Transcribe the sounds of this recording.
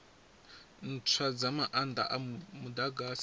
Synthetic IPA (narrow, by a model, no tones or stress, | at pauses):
n̩t͡sʰwad͡zamaʔanda̰ʔamud̪aɡas